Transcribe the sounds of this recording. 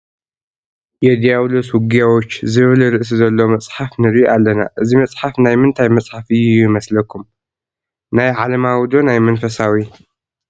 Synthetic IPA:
jed̪ijaβloswʊɡijawot͡ʃːzɨβɨlɾɨʔs̬izɐlːomɐt͡sʼħafnɨɾʔalːɐna̰ʔɨzimɐt͡sʼħafnajmɨnt̪ʰajmɐt͡sʼħafɨjujuɪmɐslɐkʰum | najʕalɐmawd̪onajmɐnfɐsawi

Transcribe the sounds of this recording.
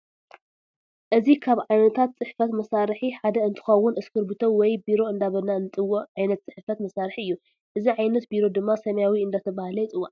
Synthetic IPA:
ʔɨzikʰaβʕajnɐt̪ʰat̪̚t͡sʼɨħfɐt̪mɐsaɾħiħad̪ɐɨnt̪ʰɨ̥xɐwːʊnɨskʰɨɾbɨt̪ʰowɔjbiɾo̞ɨnd̪aβɐnaɨnɨt̪ʼɨwːoʕajnɐt̪̚t͡sʼɨħfɐt̪mɐsaɾħiɨjːu | ʔɨziʕajnɐt̪biɾo̞d̪ɨmːasɐmɐjawiɨnd̪at̪ʰɐβahlɐjɪt͡sʼɨwːa

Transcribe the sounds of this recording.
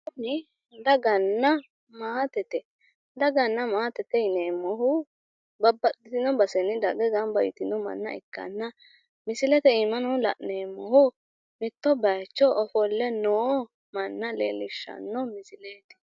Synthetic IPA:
ɔmɪ | d̪ɐɡɐnːɐ | maːt̪ɛt̪ɛ | d̪ɐɡɐnːɐmaːt̪ɛt̪ːɛɪneːmːɔhʊ | bɐbːɐd̪ɪt̪ɪnɔbɐsɛnɪd̪ɐɡɛɡɐnbɐjɪ̰t̪ɪnɔmɐ̰nːɐ̰ɪ̰kːɐ̰nːɐ | mɪsɪlɛt̪ɛɪmɐnɔlɐ̰ʔneːmːɔhʊ | mɪt̪ːɔbɐjt͡ʃːɔʔɔfɔlːɛnoː | mɐnːɐlḛːlɪʃːɐ̰nːɔmɪsɪleːt̪ɛ̥

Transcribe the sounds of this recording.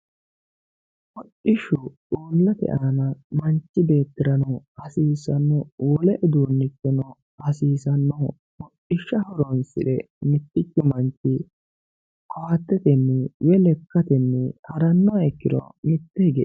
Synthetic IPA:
ʔɔt͡ʃːɪʃʊᶑuoːlːɐt̪ɛ̰ʔaːnɐmɐnt͡ʃːɪbe̞ːt̪ːɪɾɐnɔ | ɐsiːsɐnːɔwɔlɛʔɛd̪uːnːɪtːɛnɔ | ɐsiːsɐnːɔ | mɔʔɪʃːɐhɔɾɔnsɪ̰ᶑɛ | mɪt̪ːɪt͡ʃːʊmɐnt͡ʃːɪ | kʰɔhɐt̪ːɛt̪ɛnːɛwɛlɛkːɐt̪ɛnːɛhɐɾɐnːɔɛkːɪd̪ɔ̰mɪt̪ːɛɡɛ

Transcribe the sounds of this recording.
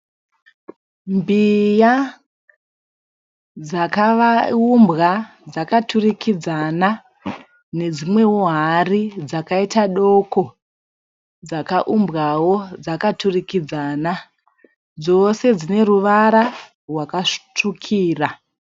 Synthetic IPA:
mbija | d͡zakaʋaumbɣa | d͡zakatʰurikʰid͡zana | ne̞d͡zimwe̞woɦarid͡zakaitaɗo̞ko̞ | d͡zakaʔumbɣawo̞d͡zakaturikid͡zaːna | d͡zose̞d͡zine̞ɾuʋaɾa | rwakaʂtukʰiːra

